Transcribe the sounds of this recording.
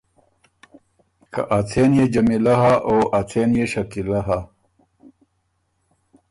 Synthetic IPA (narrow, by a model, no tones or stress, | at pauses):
kɐ̰ʔat͡s̪ʰeːnjed͡ʑɐmilɐɦaʔoːʔat͡s̪ʰeːnjeɕɐkilɐɦa